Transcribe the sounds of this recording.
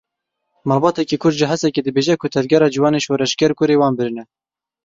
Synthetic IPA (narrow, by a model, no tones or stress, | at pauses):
mɑːlbɑːt̪ɛkiːkʰʊrd̪ʒɪɦɛsɛkeːd̪ɨbeːʒɛkʰʊt̪ʰɛvɡʲɛɾɑːd͡ʒiwɑːneːʃoːɾɛʃkʲɛɾkʊɾeːwɑːnbɨɾɨnɛ